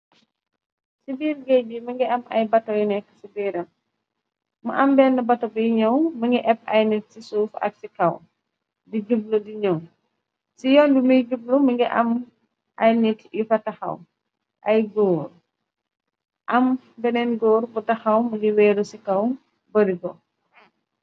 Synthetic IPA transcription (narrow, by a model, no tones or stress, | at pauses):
sibiːɾɡɛjbimɐŋɡiɐmɐ̰jbɐtːɔjinɛkːə̥sibiːɾɐm | mɐʔɐmbɛːnːɐbɐtɔbəjɲɐwmɐŋɡiʔɛp̚ːɐjnit̚sisuːfɐ̰k̚sikɐw | diɟub̚ludiɲɐw | sijɔnduməjɟub̚lumɐŋɡiʔɐm | ʔɐjnitifɐtɐxɐ̰w | ʔɐjɡɔːɾ | ʔɐm | bɛnɛnɡɔːɾbutɐxɐwmɐŋɡiwɛːɾusikɐw | bɐɾiɡɔ